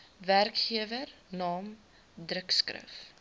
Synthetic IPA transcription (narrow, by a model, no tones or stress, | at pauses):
værkχiəvərnɑːm | dɾəkskrə̰f